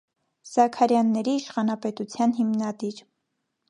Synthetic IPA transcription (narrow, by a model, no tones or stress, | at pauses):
z̥ɑkʰɑɾjɑnːɛɾiːʃχɑnɑpɛt̪ut͡sʰjɑnɦimnɑd̪iɾ